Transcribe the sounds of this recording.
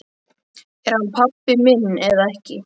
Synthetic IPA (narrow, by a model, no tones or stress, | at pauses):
ɛɾ̥hanpʰapːɪmɪnːɛðaɛhcɪ